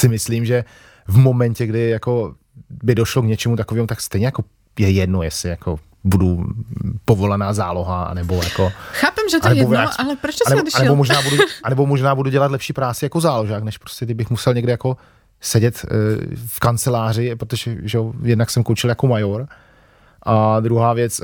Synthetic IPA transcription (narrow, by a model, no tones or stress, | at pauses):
sɪmɪsliːmʒɛ | vmo̞mɛncɛɡdɪjako̞ | bɪdoʃlokɲɛt͡ʃɛmut̪akoviːmut̪akst̪ɛjɲɛjako̞ | jɛjɛdnojɛsɪjako | budu | povo̞lanaːzaːlo̞ɦaa̰nɛbojako̞xaːpɛmʒɛanɛbovaʔalɛpɾot͡ʃt̪anɛanɛbomoʒnaːbuduʔanɛbomoʒnaːbuduɟɛlat̪lɛpʃiːpɾaːt͡sɪjakozaːloʒaːknɛʃpɾoscɛt̪ɪbɪxmusɛlɲɛɡdɪjako̞ | sɛɟɛt̪ | fkant͡sɛlaːr̝ɪpɾot̪oʒɛʒɛojɛdnaksɛmkont͡ʃɪljakomajoɾ | ʔad̪ɾuɦaːvjɛt͡s